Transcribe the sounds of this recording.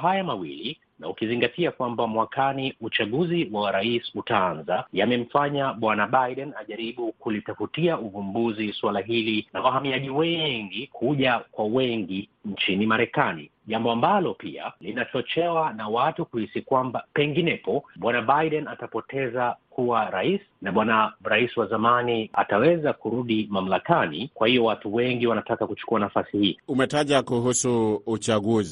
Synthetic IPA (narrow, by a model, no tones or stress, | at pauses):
ɦajamawili | naukiziŋɡatiakwambamwakaniut͡ʃaɠuziwawaɾaisutaanzajamɛm̩faɲaɓwanaɓajɗɛnaʄaɾiɓukulitafutiauvumbuziswalaɦilinawaɦamiaʄiwɛŋɡikʰuʄakwawɛŋɡint͡ʃinimaɾɛkanḭ | ʄambɔambalɔpḭa̰linat͡ʃɔt͡ʃɛwanawatukuhisikwambapɛŋɡinɛpɔɓwanabajɗɛnatapɔtʰɛzakuwaɾaisi̥naɓwanaɾaisiwazamania̰tawɛzakuɾuɗimam̩lakanḭkwahiɔwatuwɛŋɡiwanatakakut͡ʃu̥kuanafasihiːumɛtaʄakuɦusuut͡ʃaɠuzi